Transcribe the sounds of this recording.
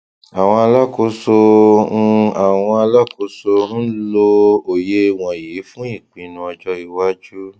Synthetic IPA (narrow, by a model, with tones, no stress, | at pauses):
a˨w̃ɔ̃˧a˧la˦ko˧˦sõ˧ | a˨w̃ɔ̃˧a˧la˦ko˧˦so˧n̩˦lo˧o˨je˦˧˨w̃ɔ̃˨ji˨˦fũ˦i˦˨k͡pĩ˧nũ˧ɔ˧d͡ʒɔ˧˦i˨wa˦d͡ʒu˦